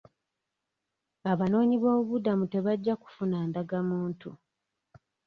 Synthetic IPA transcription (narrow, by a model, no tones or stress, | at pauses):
aβano̞ːɲiβo̞ːβudamute̞βaɟːaku̥funaːndaɡamuːntu